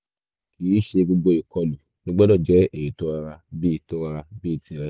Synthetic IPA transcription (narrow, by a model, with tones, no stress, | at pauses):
ki˨˦ʃe˧ɡo˧ɡ͡bo˧i˨kɔ˧lu˨ | ɡo˦ɡ͡bɔ˦dɔ˦˨d͡ʒɛ˨˦e˦˨ji˨to˦a˧ɾa˧bi˦˧˨to˦a˧ɾa˧bi˦i˧tĩ˨˧˦ɾɛ˦